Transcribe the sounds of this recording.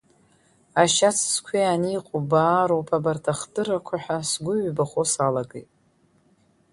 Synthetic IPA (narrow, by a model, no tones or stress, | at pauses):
aʃat͡sʰskʷʰianiqʷʰʼobaːɾowpʰabartʰaχdɨɾakʷʰaħʷᶣasɡʷʊɥʷbaχosalaɡejtʼ